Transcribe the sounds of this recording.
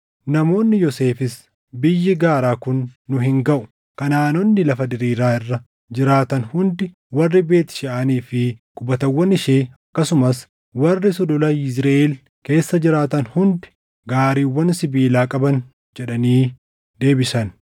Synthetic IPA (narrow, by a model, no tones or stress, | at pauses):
nɐmo̞ːnːɪjɔse̞ːfɪs | bɪjːɪɡaːɾaːkʊnːʊɦɪŋɡɐʔʊ̥ | kɐnaːnɔnːɪlɐfɐd̪ɪɾiːɾaːɪrːɐ | d͡ʒɪɾaːt̪ɐnhʊnd̪ɪ | wɐrːɪbe̞ːt̪ɪ̥ʃɪʔɐniːfɪkʼʊbɐt̪ɐwːɐnɪʃeːɐkːɐsʊmɐs | wɐrːɪsɔd̪ʊlɐɪsɾeʔel | ke̞ːsːɐd͡ʒɪɾaːt̪ɐnhʊnd̪ɪ̥ | ɡaːɾiːwːɐnsɪbiːlaːkʼɐbɐn | d͡ʒɛᶑɐniː | d̪e̞ːbɪsɐn